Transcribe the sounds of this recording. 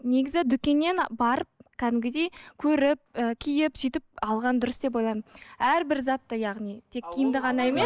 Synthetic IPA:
ne̞ɡʲɪzɪd̪ʏkʲe̞nːe̞nbɑɾəp̚kʲʰæd̪ɪmɡʲɪd̪e̞jkʲʰɵɾɪp̚əkʲʰijɪpʒ̥ijt̪ɪp̚ɑlˠʁɑnd̪ʊɾəsd̪e̞p̬o̞jlˠɑjmənæɾbɪɾzɑt̪ːəjɑʁnijt̪ʰe̞kʲʰːijɪnd̪əʁɑnɑemes

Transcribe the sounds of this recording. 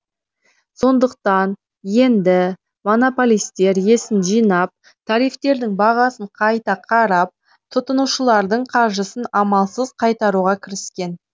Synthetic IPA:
so̞nd̪əq̚t̪ɑn | je̞nd̪ɪ | mo̞no̞polʲˠijst̪e̞ɾje̞sɪnʒijnɑp̚ | t̪ʰɑɾijft̪e̞ɾd̪ɪŋbɑʁɑsəɴqʰɑjt̪ɑqʰɑɾɑp̚ | t̪ʰʊt̪ənuʃəlˠɑɾd̪əɴqʰɑɾʒəsənɑmɑlˠsəzqʰɑjt̪ɑɾuʁɑkʲʰɪɾɪskʲe̞n

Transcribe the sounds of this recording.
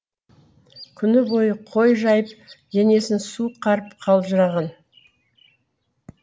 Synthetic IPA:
kʲʰʏnɪbo̞jəqʰojʒɑjəpʒ̥ene̞sɪnsuqʰɑɾəpqʰɑlˠʒəɾɑʁɑn

